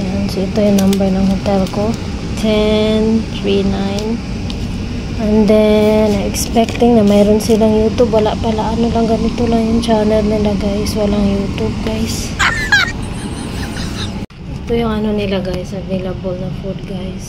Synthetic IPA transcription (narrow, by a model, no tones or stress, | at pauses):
ansoɪt̪ojʊŋnambɛɹnɐŋhot̪ɛlko | t̪ʰɛnt̪ɹinajn | ʔɛnd̪ɛnaʔɛkspɛk̚t̪ɪŋnamajɾʊnsɪlaŋjuːt̪ʊbwalaʔpalaʔanolaŋɡɐnɪt̪olaŋjʊŋt͡ʃanɛlnɪlaɡajswalaŋjuːt̪ʊb̚ɡajs | ɪt̪ojʊŋɐnonɪlaɡajsɐvejlabolnɐfud̪̚ɡajs